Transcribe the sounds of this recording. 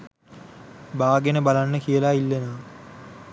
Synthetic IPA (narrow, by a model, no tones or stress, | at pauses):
baːɡenəbalanːəkijəlaːilːenaː